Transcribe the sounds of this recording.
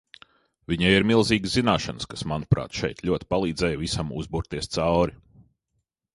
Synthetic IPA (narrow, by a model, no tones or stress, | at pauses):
viɲajiɾmilˠziːɡszinaːʃanskasmanupɾa̰ːt̪ʃɛjt̪lʲuɔt̪ʲi̥palˠiːd̪zɛjvisamṵzbuɾt̪iɛst̪sawɾi